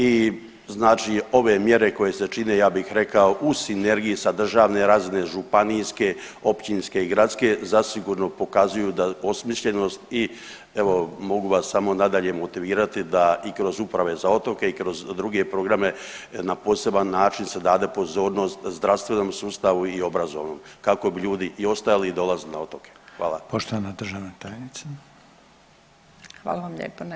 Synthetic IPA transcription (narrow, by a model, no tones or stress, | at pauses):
i | znaːt͡ʃio̞ʋe̞mje̞ɾe̞ko̞je̞se̞t͡ʃine̞jaːbixɾe̞kao̞ʔusine̞ɾɡijisad̪r̩ʒaːʋne̞ɾaːzineʒupanijske̞o̞pt͡ɕinske̞iɡɾat̪ske̞zasiɡuɾno̞po̞kazujud̪ao̞smiʃʎe̞no̞st̪i | eʋo̞mo̞ɡuʋasːamo̞nad̪aʎe̞mo̞t̪iʋiːɾat̪id̪aikɾo̞zupɾaʋe̞zao̞t̪o̞ke̞ikɾo̞zd̪ɾuɡe̞pɾo̞ɡɾame̞napo̞ːse̞banːaːt͡ʃinse̞d̪aːd̪e̞po̞zo̞ːɾno̞st̪zd̪ɾaʋst̪ʋe̞no̞msuːst̪aʋuio̞bɾazo̞̰ʋno̞̰mkako̞biʎuːd̪iʔio̞st̪ajaliːd̪o̞lˠazenao̞t̪o̞ke̞̥xʋaːlˠapoʃt̪oʋanad̪r̩ʒaʋnet̪ajenit̪sa | xʋa̰ːlˠaʋamʎʲḛpon